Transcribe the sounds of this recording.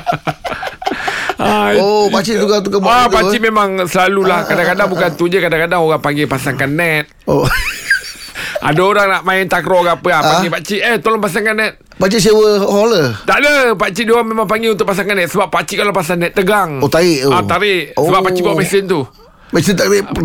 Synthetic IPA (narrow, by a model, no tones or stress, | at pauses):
aopat͡ʃit̪uɡat̪ukabapat͡ʃimemaŋsəlalulahkadakadaŋbukant̪uɲd͡ʒəkadakadaŋoɣaŋpaŋɡepasaŋkanːɛt̪̚o | ʔa̰daoɾaŋnaʔmaɪnt̪akɾoɡapəapaŋɡipat͡ʃiət̪olɔŋpasaŋkanːɛt̪̚pat͡ʃisewəholət̪aʔdəpat͡ʃidioɣaŋmemaŋpaŋɡiunt̪ʊk̚pas̬aŋkanːɛt̪̚səbapːat͡ʃikalapasanːɛt̪ːəɡaŋot̪aiʔoat̪aɾɪʔsəbappːat͡ʃibuaʔmɛsɪnt̪u | mɛsɪnt̪aʔdɛ